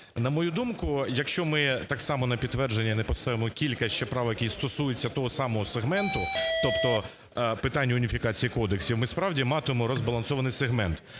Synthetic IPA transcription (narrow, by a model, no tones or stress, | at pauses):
nɐmɔjud̪umkʊjɐkʃt͡ʃɔmɪt̪ɑksɑmɔnɐpʲid̪t̪ːʋɛrd͡ʒenʲːɐnɛpɔst̪ɑʋʲɪmɔkʲilʲkɐt͡ʃɛpɾɑʋɐjɐkʲijst̪ɔsujet͡sʲːɐt̪ɔɦɔsɑmɔɦɔseɦmɛnt̪ʊt̪ɔpt̪ɔ | pɪt̪ɑnʲːɐʊnʲifʲikɑt͡sʲijikɔd̪eksʲiwmɪspɾɑwdʲimɑt̪ɪmɔɾɔzbɐlˠɐnsɔʋɐnɪjseɦmɛnt̪